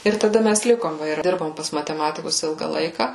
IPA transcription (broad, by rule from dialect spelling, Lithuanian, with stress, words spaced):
ɪr tɐˈdɐ ˈmʲæs ˈlʲɪkoːm ˈʋɐ ɪr ˈdʲɪrboːm pɐs mɐtʲɛˈmɑːtʲɪkʊs ˈɪlˠɡɐ ˈlˠɐɪkɐ